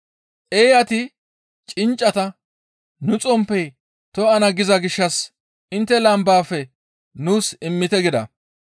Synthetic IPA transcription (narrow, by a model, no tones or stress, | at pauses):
ʔeːjɐt̪ɪ | t͡ʃʼɪnt͡ʃʼːɐt̪ɐ | nʊt͡sʼɔmpːɛj | t̪ɔɐnɐɡɪzɐɡɪʃːɐs | ɪnt̪ːɛlɐmbaːfɛ | nuːsɪmːɪt̪ɛɡɪd̪ɐ̰